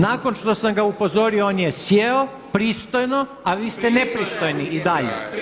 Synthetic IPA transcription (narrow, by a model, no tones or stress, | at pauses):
naːko̞nʃt̪o̞samɡaupo̞zo̞ɾiooːnjesjeo | pɾiːst̪ojno̞ | aʋiːst̪ene̞pɾist̪o̞jniid̪aʎḛ